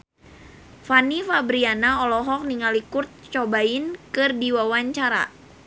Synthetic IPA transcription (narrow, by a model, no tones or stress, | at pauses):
fanifabɾianaɔlɔɦɔk̚niŋalikurt̪̚t͡ʃɔbaɪnkɨrdiwawaɲt͡ʃaɾa̰